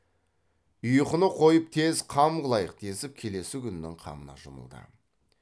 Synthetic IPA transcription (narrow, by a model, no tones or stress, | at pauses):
ʊjəqənəqʰo̞jəp̚t̪ʰe̞zqʰɑmʁəlˠɑjəq̚t̪ʰe̞sɪp̚kʲʰe̞le̞sɪkʲʰʏnɪnɪ̰ŋqʰɑ̰mənɑ̰ʒʊmə̰lˠd̪ə̰